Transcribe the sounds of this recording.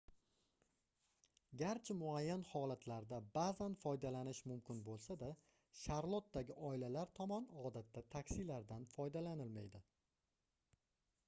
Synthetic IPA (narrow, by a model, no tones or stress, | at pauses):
ɡʲaɾt͡ʃʰɪmʊajːanhɒlat̪ʰlaɾd̪abaːzanfɒjd̪alanɪʃmʊmkʲʰɪnbolˠsad̪a | ʃaɾlˠot̪̚d̪aɡʲɪʔɒɪlalaɾt̪ʰɒmɒnɒd̪at̪ʰːat̪ʰakʲsilaɾd̪anfɒjd̪alanɪlmajd̪ɪ